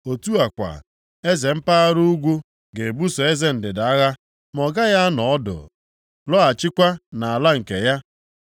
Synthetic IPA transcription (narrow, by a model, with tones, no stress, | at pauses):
o˨tu˦a˨kʷa̰˨ | e˦ze˨m̩˦pa˦a˦ɾu˦u˦ɡʷu˦ | ɡe˨bu˦sɔ˨e˦ze˦n̩˨dɪ˨da˨a˦ɣa˦ | mɔ˨ɡa˦ja˦nɔ˨ɔ˦dʊ̰˨ | lɔ˦a˨t͡ʃɪ˦kʷa˦na˨a˨la˦ŋ̩˨ke˨ja˦